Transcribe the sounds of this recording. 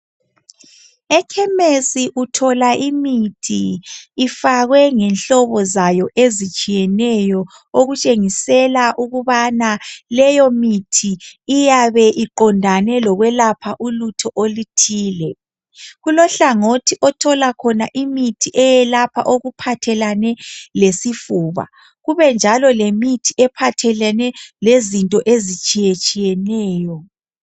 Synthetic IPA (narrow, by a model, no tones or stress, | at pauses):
ɛkʰɛmesiʔutʰɔlaʔimitʰiː | faɣwɛŋɛnɬɔβɔzajɔʔezit͡ʃʼijɛnɛjɔ | oɣut͡ʃʼeŋisɛlaʔuɣuβanalɛjɔmitʰiːjaβɛʔiǃɔndʱanɛlɔɣwɛlapʰaʔulutʰɔʔolitʰiːlɛ | ɣulɔɬaŋotʰiʔɔtʰɔlakʰɔnaʔimitʰiʔɛjɛlapʰa̰ʔoɣupʰatʰɛlanɛlesifuːβa̰ | ɣuβɛnd͡ʒʱalɔlemitʰiʔɛpʰatʰɛlɛnɛlezintʼɔʔezit͡ʃʼijet͡ʃʼijɛnɛːjɔ